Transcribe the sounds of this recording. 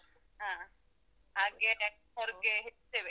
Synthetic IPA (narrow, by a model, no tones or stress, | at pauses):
ɦãː | ɦaːɡe | ɐɾiɡeɦett̪eːʋe